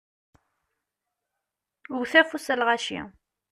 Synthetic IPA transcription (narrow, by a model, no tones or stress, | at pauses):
wθæfusælʁaʃḭ